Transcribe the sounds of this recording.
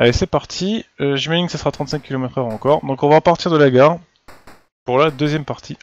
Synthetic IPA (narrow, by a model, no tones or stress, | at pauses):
alɛsɛpaʁt̪ʰiəʒimaʒinkə̥səsəʁat̪χɑ̃t̪sɛ̃ŋkʲːilomɛt̪χœʁɑ̃kɔʁd̪ɔ̃kɔ̃vaʁəpaʁt̪iʁd̪əlaɡaʁ | puʁlad̪øzjɛmpaʁt̪ʰi